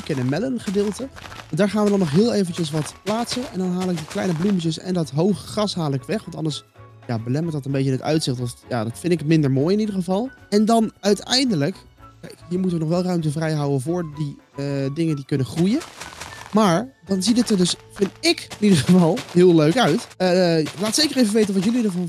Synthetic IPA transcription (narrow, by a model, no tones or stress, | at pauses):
kɛnəmɛlənχədɪːlˠtəʋɑndaːɹχaːnʋədɑnːɔχɦɪːlˠejvənt͡ʃəs̬ʋɑtplaːtsənɛndɑnɦaːlɪk̚diklɛjnəblumət͡ʃəsɛ̰ndɑtɦowχəχrɑsɦaːlˠɪkʋɛχʋɑntɑ̰ndəɹs | jaːbəlɛməɹtdɑtəmbej̬ənətœ̰ɥtsɪχtɔja̰ːdɑtfɪntɪkmɪndəɹmoːjɪnidəχəvɑlˠɛndɑnœɥtɛjndələk | kɛjkɦiəɹmutʋənɔχʋɛlˠrœɥmtəvrɛjɦʌwənvʊːɹdi | dɪŋəndikɵnəχrujə | maːɹdɑnzidətəɹdɵsfɪntɪkɪnidəχəvɑlˠɦɪːlˠløɥkœɥt | laːtsejkərejvəʋejtənʋɑtjɵlidəɹvɑn